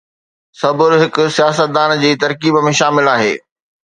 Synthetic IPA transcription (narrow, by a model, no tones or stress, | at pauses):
sɐbʊɾɦɪkʊ̆sijaːsət̪̚d̪aːnd͡ʑiːt̪ɐɾkiːbmẽʃaːmɪlaːɦḛː